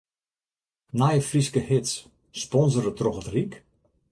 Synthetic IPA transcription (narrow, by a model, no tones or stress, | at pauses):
najəfriskəhɪts | spɔnzəɾətrɔxətrik